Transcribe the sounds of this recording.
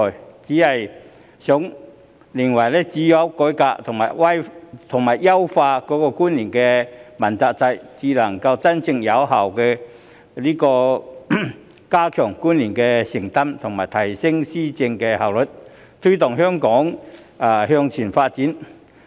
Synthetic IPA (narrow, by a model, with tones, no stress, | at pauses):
ɔ˨˩jt͡siː˨˥hɐ˨j | sʊ˨˥ŋ | li˨˩ŋwɐ˨˩jlɛː˥t͡siː˨˥jɐ˨˥wkɔː˨˥jkaː˧t̪ʰʊ˨˩ŋmaː˨˩jwɐ˥jt̪ʰʊ˨˩ŋmaː˨˩jːɐ˥wfaː˧kɔː˨˥kɔː˧kuː˥nliː˨˩nkɛː˧mɐ˨˩nt͡saː˧k̚t͡sɐ˧jt͡siː˨˧lɐ˨˩ŋkɐ˧wt͡sɐ˥nt͡sɪ˧ŋjɐ˨˧˥wɦɐ˨˩wkɛː˧ | liː˥kɔː˧ | kaː˥kʰœː˨˩ŋkuː˥nliː˨˩nkɛː˧sɪ˨˩ŋt̪ɐ˥mt̪ʰʊ˨˩ŋmaː˨˩jt̪ʰɐ˨˩jsɪ˥ŋsiː˥t͡sɪ˧ŋkɛː˧ha˨˩wlɵ˨t̚ | t̪ʰɵ˥t̪ʊ˨ŋɦœː˥ŋkɔː˨˥ŋ | a˨˧ɦœː˧ŋt͡sʰiː˨˩nfaː˧t̚t͡siː˨˥n